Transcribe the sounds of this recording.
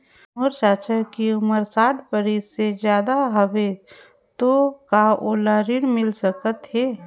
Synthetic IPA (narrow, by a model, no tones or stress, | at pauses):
ʊɾt͡ʃaːt͡ʃəɾkiʊməɾsaːʈʰpəɾissed͡ʒjaːd̪aɦəʋe | t̪okaʔoːlaːɾɪɽmɪlsəkət̪ɦɛː